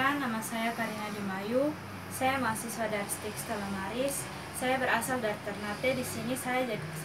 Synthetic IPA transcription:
anːamasajakaɾinadimaju | sajamasisuwadaɾst̪ikst̪alamaɾisː | ajabəɾasaldaɾ̚t̪ərnat̪ɛdisinisajad͡ʒadi

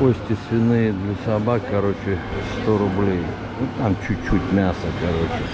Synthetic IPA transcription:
kosʲt̪ʲɪsvʲɪnɨjd̪lʲɐsɐbakːɐɾot͡ɕɪst̪oɾʊblʲej | ot̪amt͡ʃʰut̚ʲt͡ʃʰːutʲmʲasəkɐɾot͡ʃɪ

